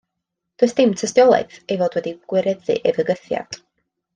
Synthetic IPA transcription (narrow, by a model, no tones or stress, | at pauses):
d̥ʊsd̥ɪmtʰəstjɔlˠa̰ɨθejvoːdwɛdiɡ̥wɪɾɛðɨ̰ʔevəɡəθja̰d̥